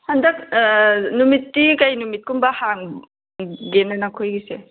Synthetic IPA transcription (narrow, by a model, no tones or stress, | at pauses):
handɐk̚numitːikajnumit̚kumbahaŋ | ɡenanakʰojɡise